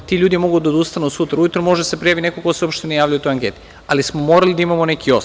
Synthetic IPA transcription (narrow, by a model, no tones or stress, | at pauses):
t̪iʎuːd̪imo̞ɡud̪aod̪ust̪anusut̪ɾaujut̪ɾomo̞ʒd̪asepɾijaʋine̞kokoseopʃt̪enajaːʋʎajut̪ojaŋke̞t̪i̥ | alismomo̞ːɾalid̪aimamone̞kʰio̞s